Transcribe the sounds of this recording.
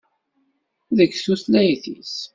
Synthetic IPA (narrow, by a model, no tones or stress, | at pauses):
ðəɡsuslæjθḭs